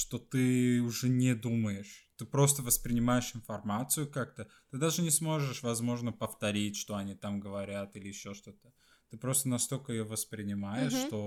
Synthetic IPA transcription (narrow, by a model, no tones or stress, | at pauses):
ʂt̪o̞t̪ɨʊʐɛnʲɪd̪uməjɪʂt̪ɨpɾo̞st̪əvəspɾʲɪnʲɪmajɪʂɪnfɐrmat̪sɨjʊkak̚t̪ət̪ɨd̪aʐɨnʲɪsmo̞ʐɨʂvɐzmo̞ʐnəpəft̪ɐɾʲitʲʂt̪o̞ɐnʲit̪amɡəvɐɾʲat̪ilʲɪjɪɕːoʂt̪o̞t̪ə̥ | t̪ɨpɾo̞st̪ənɐst̪o̞lʲkəjɪjovəspɾʲɪnʲɪmajɪʂːt̪o̞